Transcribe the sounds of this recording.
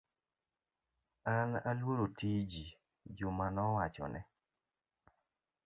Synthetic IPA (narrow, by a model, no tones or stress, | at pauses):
ana̰lwoɾotid͡ʒi | d͡ʒʊmanɔwat͡ʃɔ̰nɛ̰